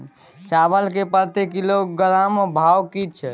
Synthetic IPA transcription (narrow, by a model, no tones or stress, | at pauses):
t͡ʃabəlkepəɾt̪ekilokɡəlambʱawkit͡ʃʰɛ